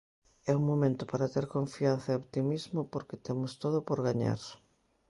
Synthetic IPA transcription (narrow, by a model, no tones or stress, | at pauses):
ɛuŋmomẽnt̪ʊpaɾat̪eɾkoɱfiãnθɐeoβt̪imizmʊpoɾket̪emʊst̪oðʊpoɾɣaɲa̰ɾ